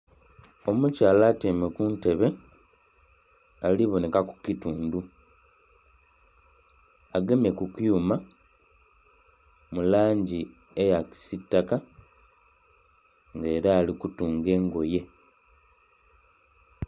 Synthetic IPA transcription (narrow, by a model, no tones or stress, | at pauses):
o̞mucaːlaːtemekunte̞βe̞ | aliβo̞ne̞kaku̥cituːndu | ɡe̞mje̞kukjuma | mulaːɲɟiejaki̥sitːaka | ŋɡe̞ːɾaːlikutuːŋɡe̞ːŋɡo̞je̞